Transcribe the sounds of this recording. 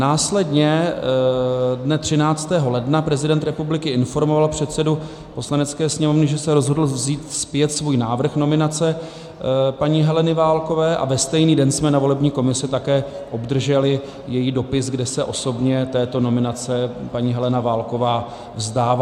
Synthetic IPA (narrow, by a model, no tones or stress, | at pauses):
naːslɛdɲɛ | dnɛt̪r̥ɪnaːt͡st̪ɛːɦo̞lɛdnapɾɛzɪdɛnt̪ɾɛpublɪkɪɪnfo̞ɾmo̞valpr̝̥ɛt̪sɛdu | po̞slanɛtt͡skɛːsɲɛmovnɪʒɛsɛɾo̞zɦodl̩vziːt̪spjɛt̪svuːjnaːvr̩xno̞mɪnat͡sɛ | paɲiːɦɛlɛnɪvaːlko̞vɛːʔa̰vɛst̪ɛjniːdɛnsmɛnavo̞lɛbɲiːko̞mɪsɪt̪akɛː | ʔo̞bd̪r̩ʒɛlɪ | jɛjiːdo̞pɪsɡdɛsɛʔo̞so̞bɲɛt̪ɛːt̪o̞no̞mɪnat͡sɛpaɲiːɦɛlɛnavaːlko̞vaː | vzdaːva